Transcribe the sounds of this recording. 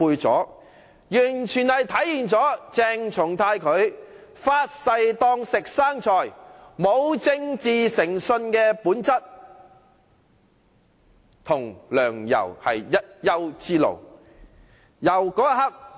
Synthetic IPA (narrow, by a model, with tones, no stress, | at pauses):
uː˧jt͡sɔ̰ː˨˥ | jyː˨˩nt͡ʃʰyː˨˩nhɐ˨jt̪ʰɐ˨˥jhiː˨nt͡sɔː˨˥t͡sɛː˧ŋt͡sʰʊ˨˩ŋt̪ʰaː˧jkʰɵ˨˧ɥ | faː˧˥t̚sɐ˧jt̪ɔː˧˥ŋsɪ˨k̚saː˥ŋt͡ʃʰɔː˨˩jmo˨˧wt͡sɪ˥˧ŋt͡siː˨sɪ˨˩ŋsɵ˧nkɛː˧puː˨˥nt͡sɐ˥t̚ | t̪ʰʊ˨˩ŋlœː˨˩ŋjɐ̰˨˩whɐ˨jːɐ˥t̚jɐ˥wt͡siː˥lo̰˨˩w | jɐ˨˩wkɔː˨˥ɐ˥hɐ˥k̚